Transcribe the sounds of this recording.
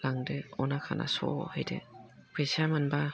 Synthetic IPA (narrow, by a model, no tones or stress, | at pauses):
laŋdɯɔnakʰa̰nʔa̰sɔ̰hajdḛpʰesamanba